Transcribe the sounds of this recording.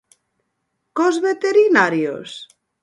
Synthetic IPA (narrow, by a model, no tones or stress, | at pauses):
kozβet̪eɾinaɾjo̰s